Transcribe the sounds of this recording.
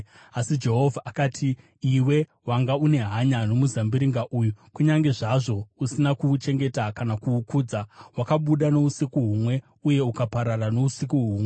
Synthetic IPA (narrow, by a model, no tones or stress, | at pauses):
asid͡ʒe̞ɦo̞vʱaʔakatʰiː | we̞ | waŋɡaune̞ɦaɲano̞muzambiɾiŋɡaʔuːjukuɲaŋɡe̞ʐaʐo̞usinakut͡ʃe̞ŋɡe̞takanakuːkuːd͡zawakaɓuɗano̞usikuɦumwe̞ | uje̞ukapaɾarano̞usikuɦuːmwe